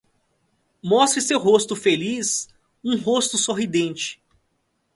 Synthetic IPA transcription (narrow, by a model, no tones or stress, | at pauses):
mɔst̪ɾɪsewɦost̪ʊfelis | ũɦost̪ʊsoɦid̪ẽnt͡ʃɪ̥